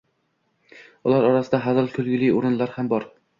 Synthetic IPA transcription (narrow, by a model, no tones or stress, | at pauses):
ʊlˠaɾɒɾasɪd̪aɦazɪlˠkʰɵlɡʲɪlɪjoɾɪnlaɾhambɒɾ